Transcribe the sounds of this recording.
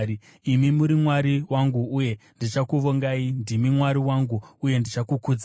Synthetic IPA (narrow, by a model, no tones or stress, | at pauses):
i | imimuɾimwaɾiwaŋɡuuje̞ndit͡ʃakuʋoŋɡaindimimwaɾiwaŋɡuuje̞ndit͡ʃakukuːd͡za